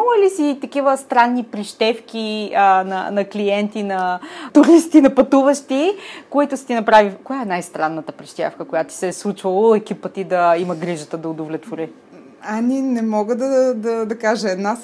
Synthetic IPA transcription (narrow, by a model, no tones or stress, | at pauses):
ɔləlisit̪ɐkivəst̪ɾanːipɾiʃt̪ɛfk̟inɐ̰nɐklijɛnt̪inɐt̪ʊɾist̪inɐpɐt̪uvəʃt̪ikoit̪ʊsə̥t̪inɐpɾavikojaɛnajst̪ɾanːət̪əpɾiʃt̪ɛ̰fkəkojat̪i̥sɛslˠut͡ʃvɐlˠoɛk̟ipət̪id̪ɐimɐɡɾiʒət̪əd̪ɐʊd̪ovlɛt̪voɾi | ɐnʲinɛmɔɡəd̪ɐd̪ɐd̪ɐkaʒəɛd̪na